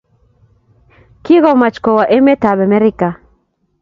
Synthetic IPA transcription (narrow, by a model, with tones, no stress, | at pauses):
ki˦ɣɔ˦˨ma˨t͡ʃkɔ˨wa˨ʔe˦me˦ta˨bɛ˨mɛ˦ɾɪ˦ka˨